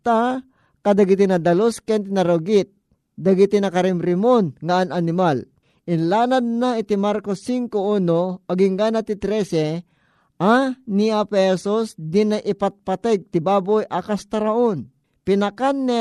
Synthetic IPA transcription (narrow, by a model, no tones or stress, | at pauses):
t̪a | kɐd̪ɐɡɪt̪inɐd̪ɐloskɛnt̪̬ɪnɐɾoɡɪt̪̚ | d̪ɐɡit̪inɐkɐɾɪmɾɪmonŋaananɪmal | ʔɪnlaːnad̪̚naɪt̪imaɾkosːiŋkouːnoɐɡɪŋɡaːnat̪it̪ɾɛsɛ | ʔaniapɛsosd̪ɪnajʔɪpat̪̚pat̪ɛɡ̚t̪ɪbaːbojʔɐkast̪ɐɾaʔon | pɪnɐkanːɛ